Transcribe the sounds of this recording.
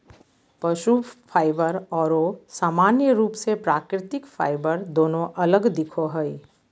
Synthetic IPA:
pəʃupʰaːɪbəɾɔːɾosaːmaːnjəɾuːpsepɾaːkɾɪt̪ɪkfʰa̰ːɪbəɾd̪oːnõʔɐləɡd̪ɪkʰoɦəi

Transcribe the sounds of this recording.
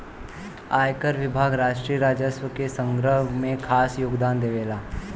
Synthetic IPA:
aːjkəɾʋɪbʱaːɡɾaːʃʈɾijəɾaːd͡ʒəswəkesə̃ŋɡɾəɦmẽkʰaːsjoːɡd̪aːnd̪eʋeːlaː

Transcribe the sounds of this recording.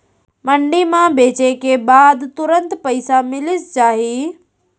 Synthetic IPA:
mɐ̃ɳɖimãbeːt͡ɕekʰebaːd̪t̪ʊɾə̃nt̪pɐiɪsamɪlɪst͡ʃaːɦiː

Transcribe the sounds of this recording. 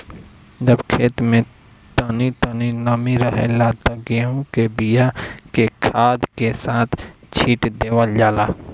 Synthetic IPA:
d͡ʒəbkʰeːt̪mẽ | t̪ənit̪əninəmiɾəɦḛlat̪əɡeɦõkebijakekʰaːd̪kesaːt̪ʰ | t͡ʃʰiːʈd̪eːwəld͡ʒaːlaː

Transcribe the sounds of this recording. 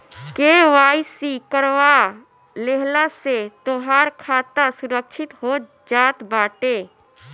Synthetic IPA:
keːʋaːisikəɾʋa | leɦlaset̪oɦaːɾkʰaːt̪asʊɾəkʃʰɪt̪ɦoː | d͡ʒaːt̪baːʈeː

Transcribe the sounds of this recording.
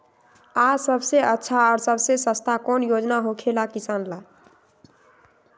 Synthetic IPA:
asəbseətːʃʰaɔɾsəbsesə̃st̪ʰakɔnjod͡ʒnaɦokʰelakisanla

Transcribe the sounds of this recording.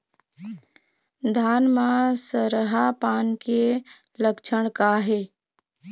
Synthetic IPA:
d̪ʱaːnmãsəɾəɦapaːnke | ləkt͡ʃʰəɽ̃kaːɦeː

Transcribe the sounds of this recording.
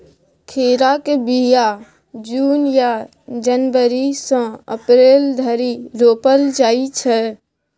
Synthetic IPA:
kʰeːɾakebija | d͡ʒuːnja | d͡ʒənʋəɾisɔ̃ə̰pɾeːld̪ʱəɾiɾoːpəld͡ʒaːit͡ʃʰɛ

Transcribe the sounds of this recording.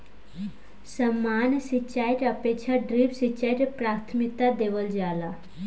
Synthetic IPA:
səmːansit͡ɕajʈəpekt͡ɕʰaɖɾipsit͡ɕajʈpɾaɾt̪ʰmikt̪ad̪eʋəld͡ʑala

